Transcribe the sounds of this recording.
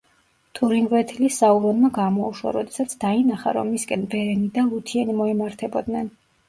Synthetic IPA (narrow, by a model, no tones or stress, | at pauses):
t̪ʰuɾiŋɡɾɛt̪ʰilisauɾɔnmaɡamɔuʃwa̰ɾɔd̪ɛsat̪sʰd̪ainaχa̰ɾɔ̰mːiskʼɛnvɛɾɛnid̪aut̪ʰiɛnimɔɛmaɾt̪ʰɛbɔd̪nɛn